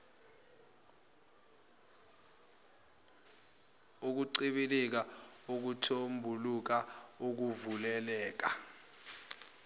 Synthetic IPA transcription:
uk̬uǀiɓilik̬aok̬utʰombʱuluk̬aok̬uvulɛlɛːk̬a̰

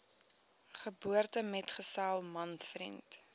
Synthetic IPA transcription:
χəbuərtəmɛtχəsalˠmɐntfrḭnt

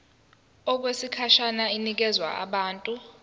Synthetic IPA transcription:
ɔk̬wesikʰaʃanainik̬ɛzwa̰ʔa̰ɓaːntʼu

